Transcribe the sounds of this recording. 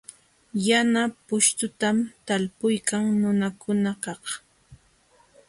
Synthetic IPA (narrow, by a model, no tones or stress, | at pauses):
janapʊʃt̪ʊt̪amt̪alpʊjkaŋnʊnakʊnakɑh